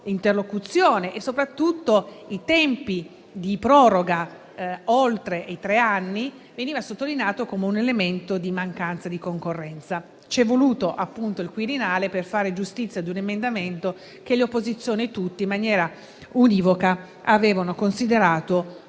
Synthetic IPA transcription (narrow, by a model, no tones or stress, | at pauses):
int̪erlokut̪sːjoːneʔesːopɾat̪ːut̪ːo | it̪ɛmpi | d̪ipɾɔːɾoɡa | olt̪ɾeit̪ɾeanːi | veniːvasot̪ːolineaːt̪okomeunelement̪od̪imaŋkant̪sad̪ikoŋkorːɛnt̪sa | t͡ʃɛvːoluːt̪oʔapːunt̪oilkwiɾinaːleperfaːɾed͡ʒust̪it̪sːjad̪unemend̪ament̪o | k̟eleopːozit̪sːjoːnit̪ːut̪ːiimːanjɛːɾa | uniːvoka | aveːvanokonsid̪eɾaːt̪o